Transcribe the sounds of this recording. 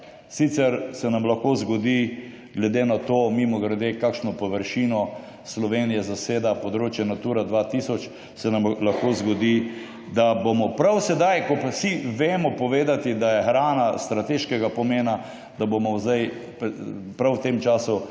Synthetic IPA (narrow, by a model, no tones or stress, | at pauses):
sit̪sɛɾsɛnamlaxkozɡɔd̪i | ɡlɛd̪eːnat̪oːmimɔɡɾɛd̪ekakʃnɔpɔʋəɾʃinɔ | slɔʋeːnijɛzaseːd̪apod̪ɾoːt͡ʃjɛnat̪uːɾad̪ʋat̪isɔt͡ʃ | sɛnamlaxkozɡɔd̪i | d̪abomɔpɾawsɛd̪ajkɔpsiʋeːmɔpɔʋeːd̪at̪id̪ajɛxɾaːnast̪ɾat̪eʃkɛɡapɔmeːna | d̪abomɔzd̪ajppɾawt̪emt͡ʃaːsu